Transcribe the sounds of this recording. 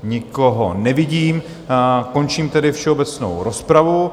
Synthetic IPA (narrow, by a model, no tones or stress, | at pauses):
ɲɪkoɦonɛvɪɟiːm | ko̞nt͡ʃiːmt̪ɛdɪfʃɛobɛt͡sno̰wɾospɾavu